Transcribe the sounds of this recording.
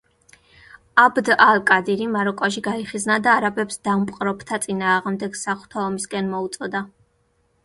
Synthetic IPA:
abd̪alkʼad̪iɾimaɾɔkʼɔʒiɡaiχiznad̪aːɾabɛpsd̪̥ampʼqʼɾɔpt̪ʰat̪sʼinaːʁmd̪ɛɡ̥saχu̥t̪ʰaɔmiskʼɛnmɔut̪sʼɔd̪a

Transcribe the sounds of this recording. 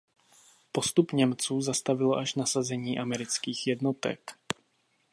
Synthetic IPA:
po̞st̪upɲɛmt͡suːzast̪avɪloʔaʃnasazɛɲiːʔamɛɾɪt͡skiːxjɛdnot̪ɛ̰k

